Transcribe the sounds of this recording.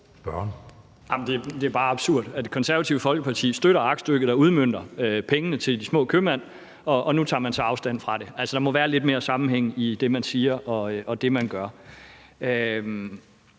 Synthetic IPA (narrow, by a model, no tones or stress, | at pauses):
b̥ɶɐn | jɑmnd̥e̝d̥e̝æɐb̥ɑ̈ːɑ̈b̥suɐ̰d̥æd̥e̝kʰɒ̽nsæɐʋæt͡sʰiʊəfɒ̽lɡ̥əpʰɑ̈t͡sʰḭːsd̥øɾɐɑ̈ɡ̥sd̥øɡ̥ð̩̥ˠɑ̈uð̞ˠmøn̰d̥ɐøpʰeŋənət͡sʰe̝ld̥ismɔ̰̽ːkʰømæn̰ | ɒ̽ʔɒ̽nut͡sʰɑ̰̈ːmænsɑ̈ɪɑ̈ʊsd̥æn̰fʁɑ̈ɾe̝ʔælsəd̥ɑ̈mɒ̽ʋæːɐle̝d̥̚me̝ːɐsɑ̈mn̩ɦeŋ̰əid̥e̝mænsiːɐʔɒ̽ʔɒ̽d̥e̝mænɡ̥ɶɐ | øm